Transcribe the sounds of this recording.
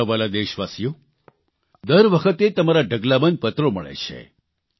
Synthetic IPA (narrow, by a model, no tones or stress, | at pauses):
əʋalad̪eʃʋasijo | d̪əɾʋəkʰət̪et̪əmaɾaɖʱəɡlabənd̪̚pət̪ɾoməɭḛt͡ʃʰḛ